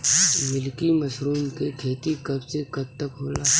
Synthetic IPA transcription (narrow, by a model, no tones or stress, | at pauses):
mɪlkimɐsɾuːnkekʰeːt̪ikɐbsekɐb̚t̪ɐkɦoːlaː